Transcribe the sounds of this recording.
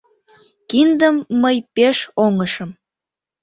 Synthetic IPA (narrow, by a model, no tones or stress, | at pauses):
kind̪əmːəjpeʃoŋəʃəm